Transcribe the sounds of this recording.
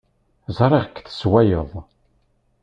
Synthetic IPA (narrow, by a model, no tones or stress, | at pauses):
zˤɾˤeʁkːθə̥swæjəðˤ